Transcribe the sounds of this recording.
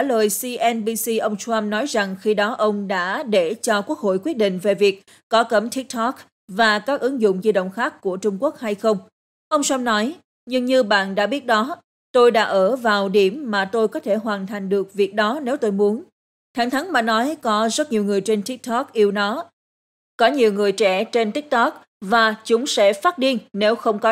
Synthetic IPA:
a˧˩ləː˨˩jsi˧ʔɛ˧nɓi˧si˧ʔə˧wŋ͡mswa˧mnɔ˨˦jza˨˩ŋxi˧ɗɔ˨˦ʔə˧wŋ͡mɗa̰ː˧˥ɗe˧˩t͡ɕɔ˧kwu˦˥ək̚ho̰˧˨jkwi˦˥ət̚ɗḭ̈˧˨ŋ̟ve˨˩vi˨˩ək̚ | kɔ˨˦kə˨˩mt̪ʰi˦˥k̚t̪ʰɔ˦˥k̚ | vaː˨˩kaː˦˥k̚ʔɨ˨˦ŋzʊ̰˧˨ŋ͡mzi˧ɗə̰˧˨wŋ͡mxaː˦˥kːu˧˩ət͡ɕʊ˧ŋ͡mku˦˥ək̚ha˧jxə˧wŋ͡m | ʔə˧wŋ͡mswa˧mnɔ˨˦j | ɲɨ˧ŋɲɨ˧ɓa̰ː˧˨nɗa̰ː˧˥ɓi˦˥ət̚ɗɔ˨˦ | t̪o˧jɗa̰ː˧˥ʔəː˧˩vaː˨˩wɗi˧˩əmːaː˨˩t̪o˧jkɔ˨˦t̪ʰe˧˩ɦwaː˨˩nt̪ʰa˨˩jŋ̟ɗɨ˨˩ək̚vi˨˩ək̚ɗɔ˨˦ne˨˦wt̪o˧jmu˨˦ən | t̪ʰa˧˩ŋt̪ʰa˨˦ŋmaː˨˩nɔ˨˦jkɔ˨˦zə˦˥t̚ɲi˨˩əwŋɨ˨˩əjt͡ɕe˧nt̪i˦˥k̚t̪ʰɔ˦˥k̚ʔi˧əwnɔ˨˦ | kɔ˨˦ɲi˨˩əwŋɨ˨˩əjt͡ɕɛ̰˧˩t͡ɕe˧nt̪ï˦˥k̚t̪ɔ˦˥k̚ | vaː˨˩t͡ɕʊ˨˦ŋ͡msɛ̰˧˥faː˦˥t̚ɗi˧ənne˨˦wxə˧wŋ͡mkɔ˨˦

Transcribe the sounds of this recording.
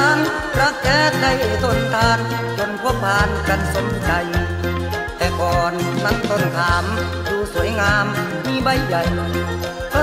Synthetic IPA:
aː˧˥n | pɾa˧˥˩k̚t͡ɕɛː˧˩t̪̚da˧˩jt̪ʰo˧˩˨nt̪ʰaː˧n | t͡ɕo˧˥npʰu˧˩əpʰaː˧nka˧˩n̚so˧˦nt͡ɕa˧j | t̪ɛː˧˩kɔː˨˩nma˧˥˨nt̪o˧˩nt̪ʰaː˨˦m | duː˧su˨˦əjŋaː˧mː | iː˧˥˨ba˧˩jːa˨˩j

